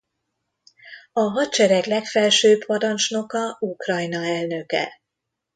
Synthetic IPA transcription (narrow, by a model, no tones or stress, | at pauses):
ɒɦɒt̪t͡ʃɛɾɛklɛkfɛlʃøːppɒɾɒnt͡ʃno̞kɒukrɒjnɒɛlnø̞kɛ̰